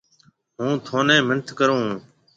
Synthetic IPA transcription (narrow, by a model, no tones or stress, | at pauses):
ɦũːt̪ʰoːnẽːmənt̪ʰkəɾõː